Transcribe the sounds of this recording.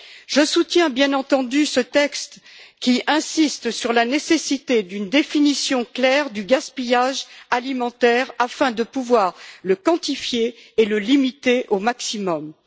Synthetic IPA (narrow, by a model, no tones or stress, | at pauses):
ʒ̥əsut̪jɛ̃bjɛ̃nɑ̃t̪ɑ̃d̪ysət̪ɛkst̪kʲiʔɛ̃sist̪syʁlanesesit̪ed̪ynd̪efinisjɔ̃klɛʁd̪yɡaspijaʒalimɑ̃t̪ɛʁafɛ̃d̪əpuvwaʁləkɑ̃t̪ifjeːləlimit̪eʔomaksimɔm